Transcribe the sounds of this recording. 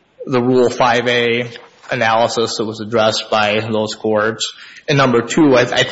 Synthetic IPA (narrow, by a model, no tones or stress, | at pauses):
ðəɹulˠfaɪveɪʔɨnælˠəsəsðət̚wʌzɨdɹɛsb̥aɪðoʊz̥kʰɔɹtsɨ̃nːʌ̃mbə˞tʰʉaɪa̰ɪ